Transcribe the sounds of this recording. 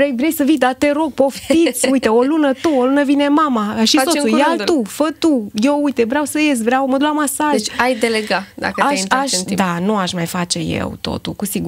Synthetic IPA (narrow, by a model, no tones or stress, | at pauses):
ɾejvɾejsəvijd̪at̪eɾo̞ɡ̚po̞ft̪isʲujt̪eolunət̪uolunəvine̞mamaʃissosujalufət̪ujewujt̪evɾeawsəjesvɾeawməd̪lamasaʒajd̪eleɡad̪a̰kəaaʃd̪anuaʃmajfat͡ʃe̞jḛwt̪o̞̰t̪ulkusiɡu